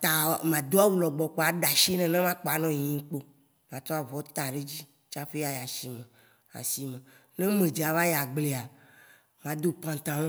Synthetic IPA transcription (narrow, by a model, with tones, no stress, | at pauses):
t̪a˨mã˨d̪o˦a˦wu˦lɔ˨ɡ͡bɔ˨k͡pɔ˨a˨ɖa˨ʃi˦nɛ̃˨nã˦mã˦k͡pɔ˨a˨nɔ̃˦˨ĩ˦ŋ˦k͡po˦ | mã˨t̪ɔ˦a˨vɔ˨t̪a˨ɖe˦d͡ʑi˦ | t͡ʃa˦ɸe˦a˨ja˨si˨mẽ˨ | a̰˨si˨mẽ˨ | nẽ˦mẽ˨d͡ʒi˨a˨va˦ja˨ɡ͡ble˨a˨ | mã˨˦d̪o˦pã˨t̪ã˨wõ˦